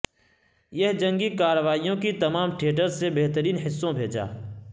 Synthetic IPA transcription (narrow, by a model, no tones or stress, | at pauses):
jɐɦd͡ʒɐ̃ŋɡikaːɾəʋaːijõkit̪ɐmaːmʈʰeːʈəɾsebeɦt̪əɾiːnɦɪsːõbʱeːd͡ʒa̰ː